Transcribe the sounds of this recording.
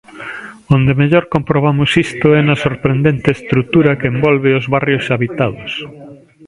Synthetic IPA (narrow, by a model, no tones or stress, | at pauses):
ond̪emeʎɔɾkompɾoβ̞amʊsist̪ʊɛnɐsoɾpɾend̪ent̪eːst̪ɾut̪uɾɐkeembɔlβeozβarjosaβit̪aðʊs